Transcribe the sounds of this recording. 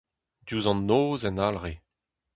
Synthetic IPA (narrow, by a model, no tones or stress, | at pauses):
djuzɑ̃nːoːzɛnalʁe